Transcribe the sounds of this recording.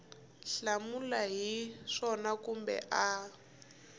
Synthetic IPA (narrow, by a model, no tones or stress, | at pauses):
ɬamulaɦiʂɔnakumbɛ̰ʔa